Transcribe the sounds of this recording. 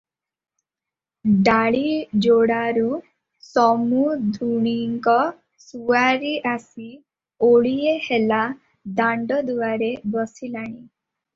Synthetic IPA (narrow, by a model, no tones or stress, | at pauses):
ɖaɭid͡ʒoɽaɾu | sɔmud̪ʱuɽ̃iŋkɔ | suaɾiʔasi | oɭijehela | d̪aɳɖɔd̪uaɾebɔsilaɽ̃i